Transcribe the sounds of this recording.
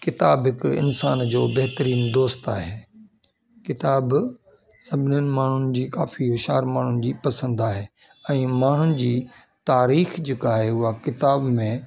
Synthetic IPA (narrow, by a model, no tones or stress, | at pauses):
kɪt̪aːbɦɪkɪ̰nsaːnd͡ʑoːbɐɦt̪əɾiːnd̪oːst̪aːɦeː | kɪt̪aːb | sɐbʱɪnʊnɪ̆maːɳ̤ʊnɪ̆d͡ʑiːkaːfiɦʊʃaːɾmaːɳ̤ʊnɪ̆d͡ʑiːpɐsə̃nd̪aːɦeː | ɛ̃ːmaːɳ̤ʊnɪ̆d͡ʑiː | t̪aːɾiːxd͡ʑeːkaːɦeʊɦakɪt̪aːbmẽ